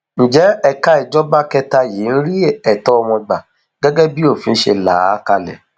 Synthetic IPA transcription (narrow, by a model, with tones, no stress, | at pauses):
ñ̩˨d͡ʒɛ˨˦ɛ˦ka˦i˨d͡ʒɔ˦ba˦kɛ˦˧ta˧jeː˨˦n̩˦ɾi˦ɛ˨tɔ˦ɔ˧wɔ̃˧ɡ͡ba˨ | ɡ̥ɛ˦ɡɛ˦bi˦o˦˨fĩ˧n̩˦ʃḛ˧la̰˨˦ka˧lɛ̰˨